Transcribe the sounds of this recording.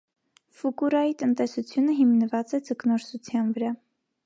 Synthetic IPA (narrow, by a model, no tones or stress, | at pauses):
fukuɾɑjit̪ənt̪ɛsut͡sʰjunəɦimnəvɑt͡sɛd͡zəknɔɾsut͡sʰjɑnvəɾɑ